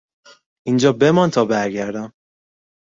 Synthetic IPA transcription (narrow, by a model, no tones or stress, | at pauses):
ind͡ʒɒːbemɒnt̪ʰɒːbæɾɟæɾd̪æm